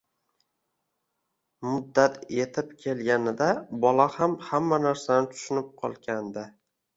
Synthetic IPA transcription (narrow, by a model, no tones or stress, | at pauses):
mʊd̪ːat̪ʰe̞t̪ʰɪpkʲʰe̞lɡʲanɪd̪abɒlahamhamːanaɾsanɪt̪ʰʊ̥ʃɪnɪp̚qʰɒlˠɡʲand̪ɪ